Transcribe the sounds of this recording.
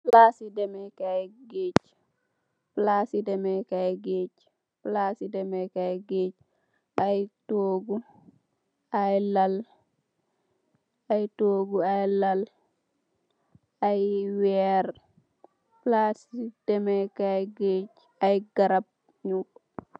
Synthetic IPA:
plasidɛmɛkajɡeːt͡ʃ | plasidɛmɛkajɡet͡ʃ | plasidɛmɛkajɡeːt͡ʃ | ʔajtoːɡu | ajlal | ajtoːɡuajlal | ajwɛɾ | plasid̥ɛmɛkajɡeːt͡ʃ | ajɡaɾab̚ | ɲuk

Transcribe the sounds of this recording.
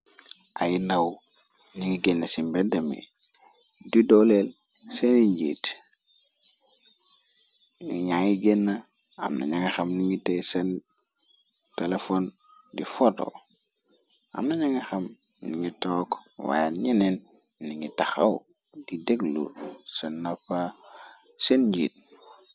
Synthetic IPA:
ʔa̰jilaw | niŋiɡenːasimbedemḛ | didolel | seniɲɟḛːt | ŋiɲaŋiɡenːa | a̰mna̰ɲaŋaxamniŋitesen | telefondifoto̰ | a̰mnaɲaŋexam | niŋitoːkwa̰jaɲenenː | iŋitaxa̰w | dideɡlṵsenːapa | senɲɟḭːt̚

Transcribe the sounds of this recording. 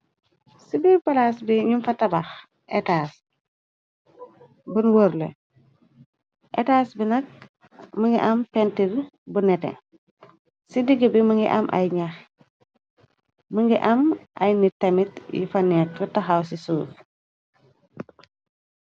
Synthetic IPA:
sibipɐlasbiɲumfɐtɐbax | ʔɛtaːs | bunwoɾlḛ | ʔɛtaːsbinɐk̚ | məŋɡiʔɐmpɛntiɾbunɛtɛ̰ | sidiɡəbiməŋɡḭʔɐmʔɐ̰jɲax | məŋɡiʔɐmʔɐ̰jnitɐmitjḭfɐnɛːtfɐtɐxawsisuːf

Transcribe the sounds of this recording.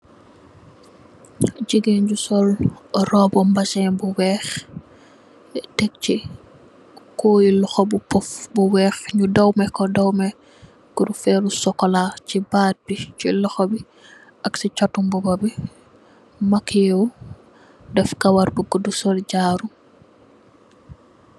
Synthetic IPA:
ɟiɡeɲɟusɔlrɔbɔmbɐsɛnbuwɛːx | tɛk̚ci | kɔjilɔxɔbupɔfbuwɛːxɲudɐwmɛkɔdɐwmɛ | ɡ̥uɾufɛlusɔkːɔlacibaːt̚bicilɔxɔbi | ɐksit͡ʃatːumbɔbɐbi | mɐkijɛw | dɛfkɐwɐɾbuɡudusɔlɟaːɾu

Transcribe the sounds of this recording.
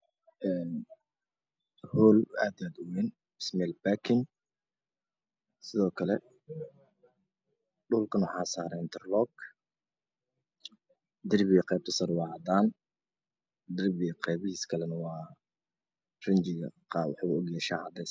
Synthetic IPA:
ʔɛːn | huːlaːd̪iaːd̪ʊwɛn | bɪsmɛlbakʰɪn | sɪðɔːkʰɐlɛ | ɖʊlkʰɐnʊħaːsaːɾɛːnt̪ɛrlɔːɡ | d̪ɪrbɪɣɐqɛːb̚t̪ʰɐsɐɾwɑːʕɑd̪aːn | d̪ɪrbɪqɛjβɪhiːskʰɐlɛnɐwɑː | rɪnt͡ʃɪɣɐ̰qɑwɑħuɔɡjɛʃaːʕɑd̪ɛs

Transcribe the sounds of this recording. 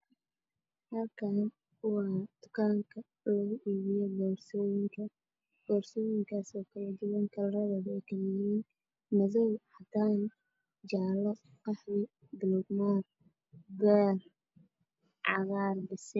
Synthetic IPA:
hɐlkʰan | wwɑːd̪̥ʊ̥kʰaːŋkʰɐ | lɐɣʊʔiːβɪjɔɡɔːrsɔːjɪŋkʰɐ | ɡ̥ɔːrsɔːjɪŋkʰaːsɔːkʰɐlɐd̪ʊwɐŋkʰɐlrɐðɐβɛjkʰɐmɪjiːn | mɐðɐwhɐd̪aːn | d͡ʒaːlɔ | qɑħðɪ | d̪ɪluːd̪maːr | d̪ɛːr | ʕɑ̰ɣaːrbɪsɛ

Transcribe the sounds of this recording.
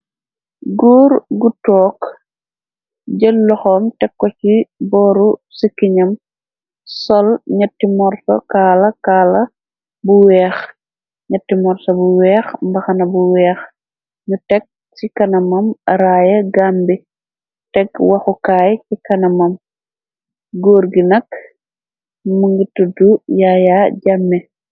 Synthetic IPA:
ɡuːɾɡutɔːk | ɟəlːɔxɔmtɛkːɔcibɔːɾusikːiɲɐm | sɔlɲɐtːimɔrto̰kaːlɐkaːlɐ | buwɛːx | ɲɐtːimɔɾsɐbuwɛːxmbɐxɐnɐbuwɛːx | ɲutɛk̚ | sikɐnɐmɐmɾaːjɐɡambi | tɛkwɐxukaːjkikɐnɐmɐm | ɡoːɾɡinɐk | muŋɡitudujajaɟamːɛ

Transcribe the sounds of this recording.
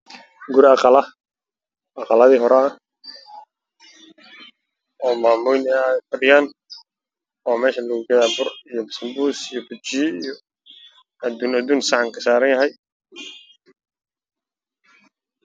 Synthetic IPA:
ɡʊɾɑqɑlɐ | ʔɑqɑlɐðiːɦɔɾɛɐ | ɔːmaːmʊnfɐɖɪjaːn | ɔːmɛːʃɐlɐɣuɡɐðaːbʊrijɔbɪsɪmbuːsijɔbʊt͡ʃiːijɔ | ɐd̪uːnɐd̪uːnsɑʕŋkʰɐsaːɾɐnjɐɦɛj

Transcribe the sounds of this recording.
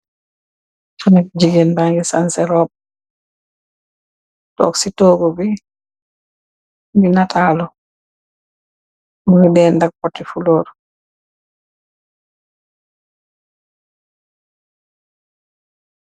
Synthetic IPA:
t͡ʃɔnɛk̚d͡ʒiɡɛnbaŋɡɛsansɛɾɔːb̚ | tɔ̰ksitɔːɡɔbi | binatʰaːlɔ | muɡidɛːndak̚pɔtːifulɔːɾ

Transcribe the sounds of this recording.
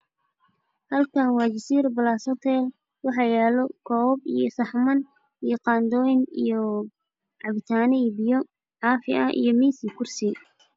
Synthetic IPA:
hɐlkʰɐnwɑːt͡ʃɪsiːɾbɐlaːsɔt̪ʰɛl | wɑħɑjɛːlɔkʰɔːbijɔsɐħmɐn | ijɔqɑːnd̪ɔːjɪnijɔ | ʕɑβɪt̪ʰaːnɛbɪjɔ | ʕɑːfɪɐʔḭjɔmiːsɪkʰʊrsɪ

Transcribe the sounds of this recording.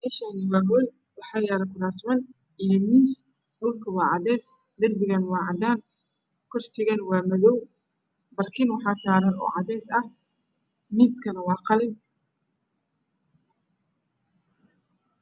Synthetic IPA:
mɛːʃaːnɪwɑːɦɔl | wɑħɑːjaːɾɐkʰʊɾaːsmɐn | ʔijɔmiːs | hɔlkʰɐwɑːʕɑðɛːs | d̪ɐrbɪɣɐnwɑːʕɑd̪aːn | kʰɔrsɪɣɐnwɑːmɐðɔw | bɐrkʰɪnwɑħɑːsaːɾɐnɔ̰ːʕɑðɛːsɐ | miːskʰɐnɐwɑːqɑlɪb

